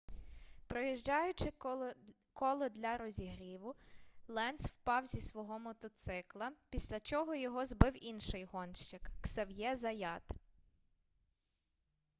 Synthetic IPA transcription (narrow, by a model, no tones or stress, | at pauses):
pɾɔjiʒd͡ʒɑjʊt͡ʃɪ | kɔlˠɔd̪ʲlʲɐɾɔzʲiɦɾʲiʋʊlˠɛnswpɑwzʲisʋɔɦɔmɔt̪ɔt̪sɪklˠɐpʲisʲlʲɐt͡ʃɔɦɔjɔɦɔzbɪwinʃɪjɦɔnʃt͡ʃɪkːsɐwjɛzɐjɑt̪